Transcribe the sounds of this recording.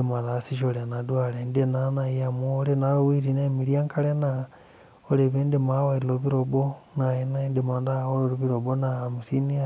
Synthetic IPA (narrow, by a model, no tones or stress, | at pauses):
emaɾasiʃolenadwalendienanajamoːlenaowiɾinaemiɾiaŋkʰalena | oleβeːndemawaiɾloβiɾobonajenaendemandaoloɾiβiɾoβonamusinia